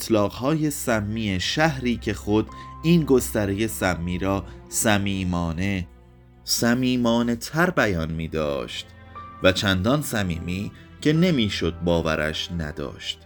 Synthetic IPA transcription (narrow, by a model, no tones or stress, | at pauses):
t̪ʰlɒːɣhɒːje̞sæmːiːeʃæhɾiːcʰe̞xo̞d̪̥iːnɡo̞st̪æɾeje̞sæmːiːɾɒːsæmiːmɒːne | sæmiːmɒːne̞t̪ʰæɾbæjɒːnmiːd̪ɒ̰ːʃt̪ | væt͡ʃʰænd̪ɒnsæmiːmiː | cʰe̞ne̞miːʃo̞d̪̚bɒːvæ̰ɾæ̰ʃnæ̰d̪ɒ̰ːʃt̪